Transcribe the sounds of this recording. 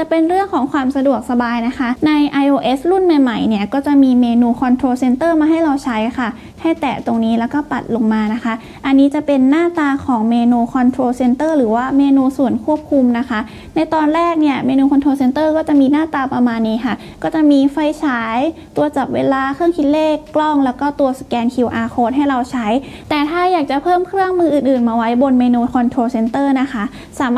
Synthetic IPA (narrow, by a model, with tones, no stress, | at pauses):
t͡ɕa˨˩pe˧nɾɯ˥˩əŋkʰɔː˩˦ŋkʰwaː˧msa˧du˨˩ək̚sa˧baː˧jna˦˥kʰa˦˥na˧jʔa˧jʔoː˧ʔe˦˥slu˥˩nma˨˩jma˨˩jni˥˩ɐkɔː˥˩t͡ɕa˨˩miː˧meː˧nuː˧kʰɔː˧nt̪ʰɾoː˧se˧nt̪ɤː˥˩maː˧ɦa˥˩jɾa˧wt͡ɕʰa˦˥jxʰa˥˩ | ha˥˩jt̪ɛː˨˩t̪o˧ŋniː˦˥lɛː˦˥wkɔː˥˩pa̰˨˩t̪̚lo˧ŋmaː˧na˦˥xʰa˦˥ʔ | ʔa˧nːiː˦˥t͡ɕa˨˩pe˧nːaː˥˩t̪aː˧kʰɔː˩˦ŋmeː˧nuː˧kʰɔ˧nt̪ʰɾoː˧se˧nt̪ɤː˥˩ɾɯː˩˦waː˥˩meː˧nuː˧su˨˩ənkʰu˥˩əp̚kʰu˧mna˦˥kʰa˦˥ʔ | na˧jt̪ɔː˧nɾɛː˥˩k̚ni˥˩ɐmeː˧nuː˧kʰɔ˧nt̪ʰɾoː˧se˧nt̪ɤː˥˩kɔː˥˩t͡ɕa˨˩miː˧naː˥˩t̪aː˧pɾa˧maː˧nːiː˦˥kʰa˥˩ | kɔː˥˩t͡ɕa˨˩ʔmiː˧fa˧˩jt͡ɕʰaː˦˥jt̪u˧ɐt͡ɕa˨˩p̚weː˧laː˧kʰɯ˥˩əŋkʰi˧t̪̚leː˥˩kːlɔ˥˩ŋlɛː˦˥wkɔː˥˩t̪u˧ɐskɛː˧nkʰi˨˩wʔaː˧kʰoː˦˥t̪̚ɦa˥˩jɾa˧wt͡ɕʰa˦˥j | t̪ɛː˨˩t̪ʰaː˥˩jaː˨˩k̚t͡ɕa˨˩pʰɤː˥˩mkʰɾɯ˥˩əŋmɯː˧ʔɯː˨˩nʔɯː˨˩nmaː˧wa˦˥jbo˧nmeː˧nuː˧kʰɔ˧nt̪ʰɾoː˧se˧nt̪ɤː˥˩na˦˥xʰa˦˥ | saː˩˦m